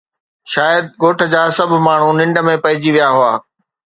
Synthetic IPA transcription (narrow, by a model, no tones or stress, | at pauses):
ʃaːjəd̪̚ɡoːʈʰə̆d͡ʑaːsɐbʱmaːɳ̤ũnɪ̃ɳɖəmẽpɐɦɪd͡ʑiʋijaɦʊaː